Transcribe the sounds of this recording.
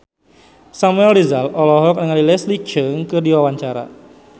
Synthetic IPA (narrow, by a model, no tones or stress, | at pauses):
samuɛldizalɔlɔɦɔk̚nəŋalilɛslit͡ʃəŋkɨdiwawaɲt͡ʃaɾa̰